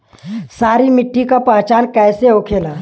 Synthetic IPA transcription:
saːɾimɪʈːikapəɦt͡ʃaːnkɛːseɦokʰeːlaː

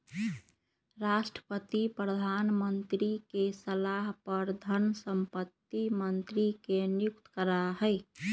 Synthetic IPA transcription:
ɾaʃʈɾə̥pət̪ipɾəd̪ʱanmənt̪ɾikesəlaɦpəɾd̪ʱənsəmpət̪ːimənt̪ɾikenjukt̪kəɾaɦəɪ

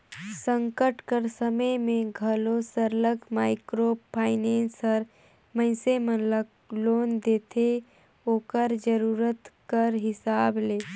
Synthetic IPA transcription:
sə̃ŋkəʈkəɾsəməjmẽɡʱəlosəɾləɡmaːɪkɾoːpʰaːɪneːnsəɾ | mə̃ɪsemənlə | loːnd̪eːt̪ʰe | oːkəɾd͡ʒəɾuːɾət̪kəɾɦɪsaːbleː

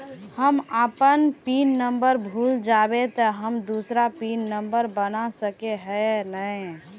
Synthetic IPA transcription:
həməpənpinːəmbəɾbʱuld͡ʒabet̪əɦəmd̪usɾapinːəmbəɾbənasəkeɦənəj

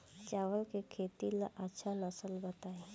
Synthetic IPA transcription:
t͡ʃaːʋəlkekʰeːt̪ilaʔətːʃʰanəsəlbət̪aːe

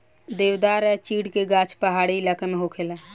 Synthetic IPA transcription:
d̪ewd̪aɾɛt͡ʃiːɽkeɡat͡ʃʰpəɦaɽiləkəmeɦokʰela

